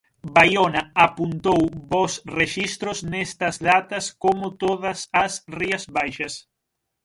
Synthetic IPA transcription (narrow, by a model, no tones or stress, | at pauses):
bajonaapunt̪owbosreʃist̪ɾʊznest̪ɐzðat̪ɐskomʊt̪oðɐsasriɐzβajʃɐs